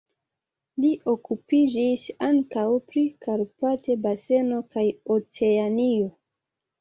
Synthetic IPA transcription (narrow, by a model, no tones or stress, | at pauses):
liʔo̞kupid͡ʒisaŋkawpɾikaɾpate̞base̞nokajot͡se̞anio